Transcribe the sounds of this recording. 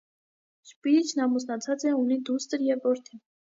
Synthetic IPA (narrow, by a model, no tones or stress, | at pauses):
ʃpit͡ʃʰnɑmusnɑt͡sʰɑt͡sɛunid̪ust̪əɾjɛvɔɾt̪ʰi